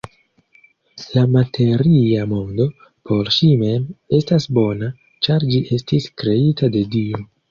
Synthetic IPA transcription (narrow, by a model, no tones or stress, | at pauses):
lamatʰe̞ɾiamo̞ndo̞ | pʰo̞ɾʃime̞me̞stasbo̞na | t͡ʃaɾd͡ʒiʔe̞stiskɾe̞itade̞dio